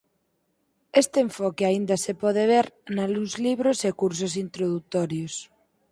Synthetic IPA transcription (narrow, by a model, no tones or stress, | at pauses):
est̪eeɱfɔkeaind̪asepɔð̞eβ̞eɾnaluzliβɾosekuɾsos̬int̪ɾoðut̪oɾjos